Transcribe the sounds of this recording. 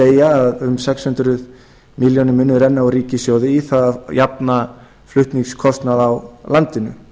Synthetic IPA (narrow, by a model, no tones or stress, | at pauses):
eːjaːðʏmsɛkshʏnt̪ɾʏð | miljɔnɪmʏːnʏɾɛnːaɔɣɾiːcɪsjoːwðɪiθaðajapna | flʏht̪niŋkskʰɔst̪naðawlant̪ɪnʏ̰